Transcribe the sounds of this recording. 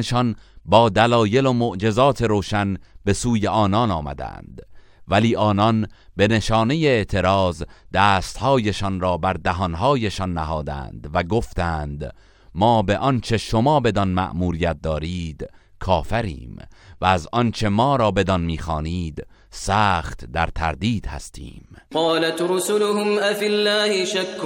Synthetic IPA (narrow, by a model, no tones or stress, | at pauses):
ʃɒnbɒːd̪ælɒːje̞lomoʔd͡ʒe̞zɒːt̪ʰe̞ɾoːʃænbe̞suːje̞ʔɒːnɒnɒːmæ̰d̪æ̰nd̪̥ | væliːʔɒːnɒnbe̞ne̞ʃɒːne̞jeeʔt̪ʰe̞ɾɒːzd̪̥æːst̪hɒːjeʃɒnɾɒːbæɾd̪æɦɒnɦɒːjeʃɒnːæɦɒːd̪æ̰ːnd̪væɡo̞ft̪æːnd̪ | mɒːbe̞ʔɒnt͡ʃʰe̞ʃo̞mɒːbe̞d̪ɒnmæ̰ʔmuːɾijæt̪̚d̪ɒːɾiːd̪ | kʰɒːfæɾḭːmvææzɒnt͡ʃʰe̞mɒːɾɒːbe̞d̪ɒnmiːxɒːniːd̪ | sæːχt̪d̪æɾt̪ʰæ̰ɾd̪iːd̪̥hæ̰st̪ʰḭːmqɑːlat̪ɾʊsʊlʊhʊmʔafilːaːhɪʃakː